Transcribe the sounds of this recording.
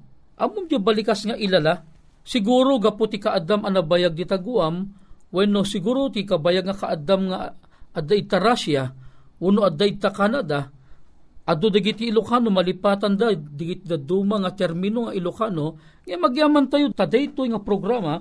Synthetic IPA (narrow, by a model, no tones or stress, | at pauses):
ʔɐmʊmd͡ʒobɐlɪkasŋaʔɪlala | sɪɡuːɾoɡapot̪ɪkaʔad̪amɐnɐbajaɡ̚d̪it̪aɡʊamwɛnosɪɡuːɾot̪ikabajaɡ̚ŋakaʔad̪amŋa | ʔad̪aɪt̪aɾasjaʔʊnoʔad̪aʔɪt̪akanad̪a | ʔɐd̪od̪aɡɪt̪iːlokanomɐlɪpaːt̪and̪ad̪ɪɡɪt̪̚d̪ad̪uːmaŋɐt̪ɛɾminoŋaʔɪlokano | ŋɐjamɐɡjaːmɐnt̪ajot̪ad̪ɛjt̪ojŋapɾoɡɾama